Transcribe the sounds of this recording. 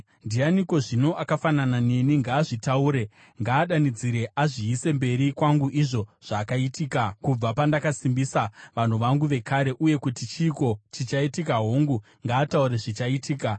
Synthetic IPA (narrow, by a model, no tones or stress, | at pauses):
ndianiko̞ʐino̞ʔakafananane̞niŋɡaːʐitauːɾe̞ | ŋɡaːɗanid͡ziɾe̞ʔaʐiːse̞mbe̞ɾikwaŋɡuʔiʐo̞ʐ̥aːkaitiːkakub͡vapandakasimbisaʋan̤uʋaŋɡuʋe̞kʰaɾe̞ʔuje̞kutit͡ʃiːko̞t͡ʃit͡ʃaitikaɦoŋɡu | ŋɡaːtauɾe̞ʐit͡ʃaitiːka